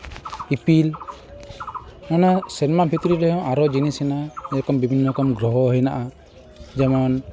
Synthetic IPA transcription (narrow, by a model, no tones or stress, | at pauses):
ipil | nanasinɛmabʱit̪ɾiɾɛɦɔ̃ʔaɾɔd͡ʒinisɛnaɛɔkɔmbibʱinːɔkɔmɡɾɔɦɔɦəjnaʔa | d͡ʒɛmɔn